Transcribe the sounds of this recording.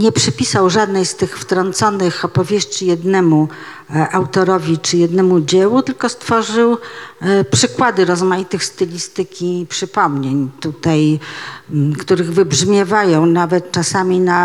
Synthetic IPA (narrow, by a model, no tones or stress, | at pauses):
ɲɛpʂɛpʲisawʐad̪nɛjst̪ɘxft̪ɾɔnt̪sɔnɘxɔpɔvʲjeʂt͡ɕijɛd̪nɛmu | ʔawt̪ɔɾɔvʲit͡ʂɘjɛd̪nɛmud͡ʑɛwut̪ɘlkɔst̪fɔʐɘw | pʂɘkwad̪ɘɾɔzmajit̪ɘxst̪ɛlʲist̪ɘkʲipʂɘpɔmɲeɲt̪ut̪aj | kt̪uɾɘɣvɘbʐmʲjɛvajɔ̃w̃navɛt̪t͡ʂasamʲina